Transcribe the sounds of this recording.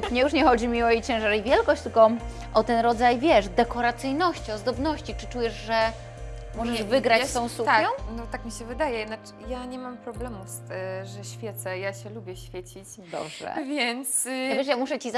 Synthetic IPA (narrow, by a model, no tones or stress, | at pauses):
ɲɛjuʂɲɛxɔd͡ʑimʲiɔit͡ɕɛ̃w̃ʐaɾivʲjɛlkɔɕt͡ɕt̪ɘlkɔ | ʔɔt̪ɛnɾɔd̪zajvʲjɛʂd̪ɛkɔɾat̪sɘjnɔɕt͡ɕiɔzd̪ɔbnɔɕt͡ɕit͡ʂɘ̥t͡ʂujɛʐʐɛ | mɔʐɛʐvɘɡɾast̪ɔ̃w̃sut̪ɔ̃nɔt̪akmʲiɕɛvɘd̪ajɛnat͡ʂ | jaɲɛmampɾɔblɛmufst̪ɛʐɛɕfʲjɛt̪sɛjaɕɛlubʲjɛɕfʲjet͡ɕit͡ɕ | d̪ɔ̰bʐɛ̰vʲjɛnt̪sɔvʲjɛʂ̬jamuʂɛt͡ɕiz